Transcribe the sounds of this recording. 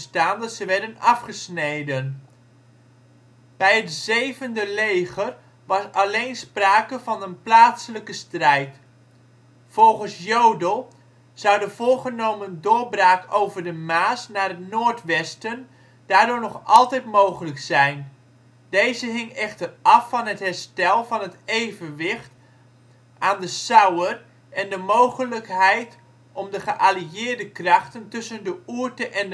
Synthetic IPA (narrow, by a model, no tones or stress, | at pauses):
staːndɑtsəʋɛɹdənɑfχəsnejdən | b̥ɛjɦətzejvəndəlejχər | ʋɑsɑlejnspraːkəvɑnənplaːtsələkəstrɛjt | fɔlˠχənsjowdəlˠ | z̥ʌwdəv̥ʊːɹχənowməndʊːɹbraːkowvəɹdəmaːsnaːrətnoːɹtʋɛstən | d̥aːɹdʊːɹnɔχɑlˠtɛjtmowχələksɛjn | d̥ejzəɦɪŋɛχtərʔɑfːɑnətɦɛɹstɛlˠvɑnɦətejvənʋɪxt | ʔaːndəsawər | ʔɛndəmowχələkɦɛjt | ɔmdəχəʔaliɪːɹdəkrɑχtəntɵsəndəuəɹtəʔɛn